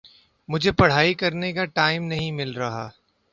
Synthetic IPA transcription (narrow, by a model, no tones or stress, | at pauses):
mʊd͡ʒʱepɐɽ̤aːikɐɾnekaʈaːɪmnɐɦĩmɪlɾɐɦa̰ː